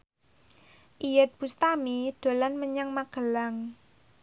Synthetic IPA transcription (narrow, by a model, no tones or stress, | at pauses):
ʔijɛt̪̚b̥ṳst̪amid̪̥o̤lanməɲaŋmaɡ̥ə̤laŋ